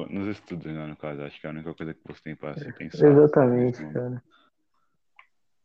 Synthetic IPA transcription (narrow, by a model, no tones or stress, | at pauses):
nʊzest̪ud̪ʊzlanʊkazʊaʃʊ̥kɪɛaũnikɐkojzɐkɪvo̰se̥t̪ẽj̃pɾaasĩt̪ẽj̃sezat̪ɐmẽt͡ʃɪ̥kanɐ